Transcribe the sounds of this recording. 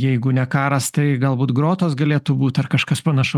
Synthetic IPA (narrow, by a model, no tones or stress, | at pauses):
jɛɪɡʊnʲɛkɑːɾɐst̪ɐɪɡɐlˠbuːt̪ɡɾoːt̪oːsɡɐlʲeːt̪ʊbuːt̪ʲɐrkɐʃkɐspɐnɐʃʊ